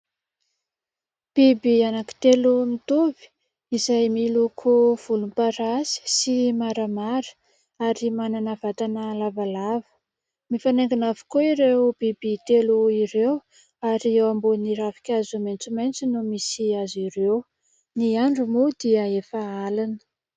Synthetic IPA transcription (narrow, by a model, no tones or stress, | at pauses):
b̥ibianaki̥t̪elumit̪ovi̥ | izajmilukʰuv̥ulumpaɾazi̥simaɾəmaɾə̥ | aɾimananavat̪anəlavalavə̥ | mifaneŋɡinavi̥koiɾewbibit̪eluiɾew | aɾiewamboniɾafi̥kʲazumajnt͡sumant͡sinumisiaziɾew | niaɳɖ͡ʐumud̪iəefaalanə̥